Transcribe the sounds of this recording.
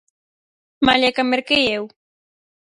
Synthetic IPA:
maʎakameɾkɪjew

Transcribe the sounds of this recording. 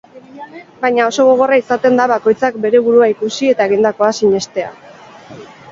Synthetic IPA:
bajɲao̞so̞ɣ̞o̞ɣ̞o̞raisat̪e̞nd̪aβako̞jt͡sakbe̞ɾe̞βuɾuaikusie̞t̪ae̞ɣ̞ind̪ako̞asiɲe̞st̪e̞a̰

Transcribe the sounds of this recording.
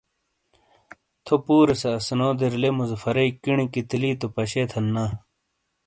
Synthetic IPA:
t̪ʰopuːɾesɐːsnoːd̪eɾlemuzfɐɾekiɳikit̪iliːt̪opɐɕeːt̪ʰɐnːa

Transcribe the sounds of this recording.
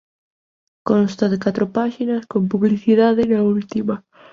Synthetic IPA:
konst̪aðekat̪ɾopaʃinɐskompuβliθiðaðɪnault̪ima

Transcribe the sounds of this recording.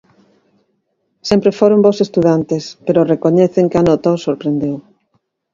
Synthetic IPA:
sempɾefoɾombosest̪uðant̪espeɾorekoɲɛθeŋkanot̪awsoɾpɾend̪ew

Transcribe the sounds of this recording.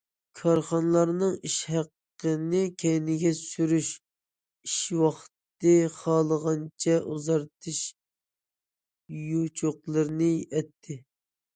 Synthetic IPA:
kʰɑɾχɑnlˠɑɾnɨŋiʃhæqːənɪkʲʰɛjnɪɡʲɛsyɾyʃ | iʃwɑχt̪ɨχɑːlˠəʁɑnt͡ʃʰɛʔuzɑɾt̪ʰɨʃ | jut͡ʃʰoqlˠɨɾnɪɛt̪ʰːɪ

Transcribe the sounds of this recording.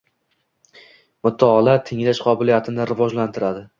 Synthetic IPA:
mʊt̪ʰːaɦɒlat̪ʰɪŋlaʃqʰɒbɪlijat̪ʰɪnɪɾɪvɒd͡ʒlant̪ʰɪɾad̪ɪ

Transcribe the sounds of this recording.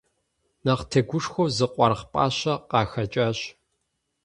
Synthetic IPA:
nɐqtʰɐɡʷʊʂxʷɔwzɨqʷʼɑrχpʼa̰ːɕɐqɑːxɐt͡ʃʼaːɕ

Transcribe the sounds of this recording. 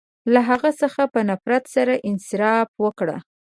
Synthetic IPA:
laɦaɣasəxapənafɾat̪saɾaʔɪnsɪɾɑfwəkɽa̰

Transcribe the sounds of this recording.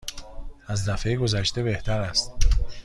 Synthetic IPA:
æzd̪æfejɡo̞zæʃt̪e̞be̞ht̪ʰæɾæst̪

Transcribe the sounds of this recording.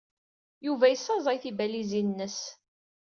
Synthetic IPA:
juvæjəsːɑzˤɑjθibælizinːəs

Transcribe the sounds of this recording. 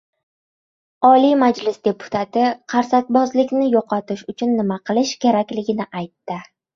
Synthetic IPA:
ɒlimad͡ʒlɪsd̪e̞pʰʊ̥t̪ʰat̪ɪqʰɑɾsak̪̚ʲbɒzlɪkʲnɪjoqʰɒt̪ɪʃʊt͡ʃʰʊnːɪmaqʰɨlˠɪʃkʲʰe̞ɾakʲlɪɡʲɪnɪʔajt̪ːɪ

